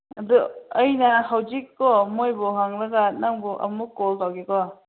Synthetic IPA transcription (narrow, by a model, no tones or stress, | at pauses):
ɐd̪uəjnahawd͡ʒikːɔmojbɔɦaŋɾɐɡanaŋbɔʔɐ̰mukːɔltawkekɔ